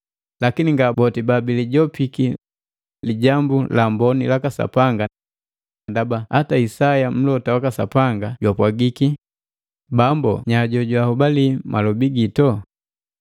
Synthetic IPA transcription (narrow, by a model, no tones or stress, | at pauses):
lakiniŋɡabɔtibabiliɟɔpiki | liɟambulambɔnilakasa̰paŋɡa | ndabahataisajam̩lɔtawakasa̰paŋɡaɟwapwaɡiki | bambɔ̰ɲaɟɔɟwahubalimalɔbiɡitɔ